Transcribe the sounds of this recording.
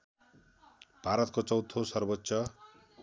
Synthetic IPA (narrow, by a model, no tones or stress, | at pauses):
b̥ʱaɾʌt̪̚kot͡sʌwt̪ʰːosʌrbʌt̪ːsʰʌ